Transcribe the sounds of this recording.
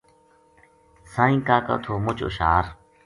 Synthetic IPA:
sãːĩːkaːka̰ːt̪ʰoːmʊt͡ʃʊ̰ʃaːɾ

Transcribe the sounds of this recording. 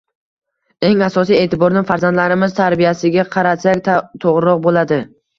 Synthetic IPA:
e̞ŋasɒsije̞ːt̪ɪbɒɾnɪfaɾzand̪laɾɪmɪz̥t̪ʰaɾbijasɪɡʲaqʰɑɾat̪sakʲt̪ʰoʁɾɪɾɒq̚bolad̪ɪ

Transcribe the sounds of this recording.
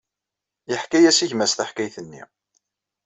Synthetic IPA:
jəħkæjæsiçmæsθaħkæjθənːḭ

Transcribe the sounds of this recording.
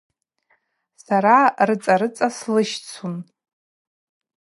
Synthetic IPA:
saɾarɨt͡sʼaɾɨt͡sʼaslɨʃt͡sʰun

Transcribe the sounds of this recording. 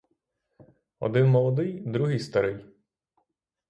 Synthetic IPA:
ɔ̰d̪ɪnmɔlˠɔd̪ɪjd̪ɾuɦɪjst̪ɐɾɪj

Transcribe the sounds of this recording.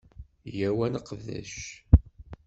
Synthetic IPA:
jæwænəqːðæ̰ʃ

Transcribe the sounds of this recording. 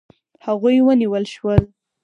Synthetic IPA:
haɣujwəniwəlʃwəl

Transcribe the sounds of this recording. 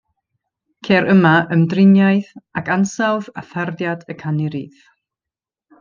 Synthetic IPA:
kʰeɾʔəmaʔəmdrɪnjajðakansawða̰θardjad̥əkʰaniɾḭːð

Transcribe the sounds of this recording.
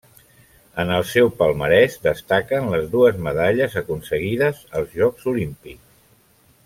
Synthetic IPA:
ənəlˠsɛwpəlˠməɾɛʃd̪əst̪akənləzðuəzməðaʎəzəkunsəɣiðəzəlˠzʒɔkzulimpiks

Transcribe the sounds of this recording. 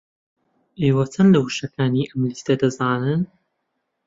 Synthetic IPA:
ʔeːwɐt͡sʰɐnlɐwɨʃɐkʰaːniːʔɐmlist̪ɐd̪ɐzaːnɨn

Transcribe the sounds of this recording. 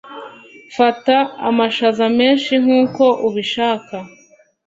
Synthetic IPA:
fataːmaʃazame̞ːnʃiŋ̥uːko̞ʔuβiʃaːka

